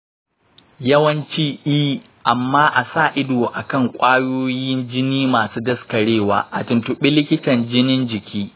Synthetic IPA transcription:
jɐ˦wɐ˦nt͡ʃiː˦ʔiː˦ | ʔa˨mːaː˦ʔa˨saː˦˨ʔɪ˦doː˨ʔa˨kɐ˦˨ŋkʷʼaː˦joː˦jɪ˦nd͡ʒɪ˦niː˦maː˨suː˦dɐ˦skɐ˨ɽeː˦˨waː˨ʔa˨tɪ˨ntʊ˦ɓɪ˦lɪ˦kʲɪ˦tɐ˨nd͡ʒɪ˦nɪ˦nd͡ʒɪ˨kʲʰiː˦

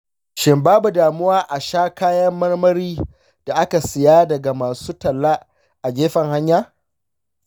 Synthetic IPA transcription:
ʃɪ˨mbaː˦bu˨daː˨mʊ˦waː˦ʔa˨ʃaː˦kaː˦jɐ˦mːɐ˦rmɐ˦ɾiː˦ | d̥a˨ʔa˦ka˨sɪ˨jaː˦dɐ˨ɡa˨maː˨suː˦tɐ˨lːa˦ | ʔa˨d͡ʒʲeː˦ɸɐ˨ŋha˦ɲjaː˦

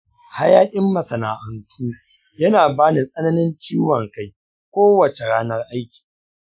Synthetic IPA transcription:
ha˦jaː˦kʲʼɪ˦mːɐ˨sɐ˨naː˨ʔɐ˨ntʰuː˦ | jɐ˦naː˨baː˦ni˨sʼɐ˦nɐ˦nɪ˦nt͡ʃiː˦wɐ˨ŋka˦j | kʷoː˦wɐ˨t͡ʃe˨ɽaː˦nɐ˦rʔa˦jkʲi̥ː˨

